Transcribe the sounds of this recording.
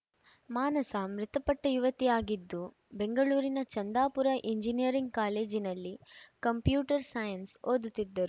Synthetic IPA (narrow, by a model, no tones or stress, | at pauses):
maːnɐsɐmɾɪt̪ɐpɐʈːɐjuʋɐt̪ijaːɡid̪ːu | beŋɡɐɭuːɾinɐt͡ʃɐnd̪aːpuɾɐʔiɲd͡ʒinijɐɾiŋɡ̚kaːle̞ːd͡ʒinɐlːikɐmpjuːʈɐɾsaːjɐnsoːd̪ut̪ːid̪ːɐɾu